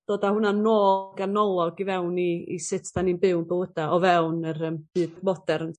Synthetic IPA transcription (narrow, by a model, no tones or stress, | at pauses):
d̥oːdahʊnanoːɡanɔlˠɔɡivɛwniḭsɪtʰd̥aninbɪwnbɪwəd̥aʔɔvɛwnərəmb̥ɨːdmɔdɛrn